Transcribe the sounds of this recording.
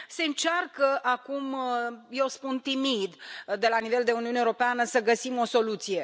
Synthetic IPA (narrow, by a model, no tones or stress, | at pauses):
se̞ɨnt͡ʃarkəʔakumjewspunt̪imid̪d̪e̞lanive̞ld̪e̞uniuneuɾopeanəsəɡəsimo̞so̞lut̪sije̞